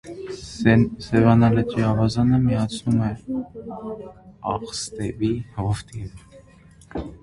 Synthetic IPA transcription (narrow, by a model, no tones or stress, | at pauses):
sɛvɑnɑlɛt͡ʃiɑvɑzɑnəmiɑt͡sʰnumɛ | ɑ̰χst̪ɛvihɔft̪ʰin